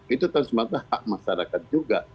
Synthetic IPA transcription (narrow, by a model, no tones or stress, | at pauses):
ɪt̪ot̪aŋsmaɡahaʔmasalakad̪̚d͡ʒuɡa